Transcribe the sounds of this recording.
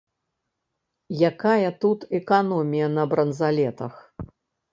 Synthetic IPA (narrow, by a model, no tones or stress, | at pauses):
jakajɐt̪ut̪ɛkanɔmʲijɐnɐbɾɐnzalʲɛt̪ɐ̰x